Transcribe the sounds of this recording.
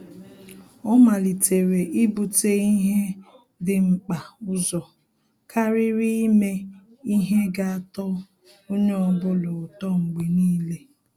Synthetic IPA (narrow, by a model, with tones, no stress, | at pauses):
ɔ˦ma˨li˨tʰe˨ɾe˨ʔɪ˦bu˨te˦i˦ɦe˦ | dɪ˦ŋ͡m̩˨k͡pa˨ʊ˦zɔ˨ | kʰa˦ɾɪ˦ɾi˦me˦ | i˦ɦe˦ɡa˦a˦˨tɔ˦ | o˦ɲe˦ɔ˦bʊ˦lʊ˨tɔ˦ŋ͡m̩˨ɡ͡bi˨niː˦le˦